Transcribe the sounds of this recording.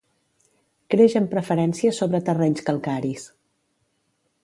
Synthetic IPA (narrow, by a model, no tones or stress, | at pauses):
kɾeʃəmpɾəfəɾɛnsiəsoβɾət̪ərɛɲskəlˠkaɾis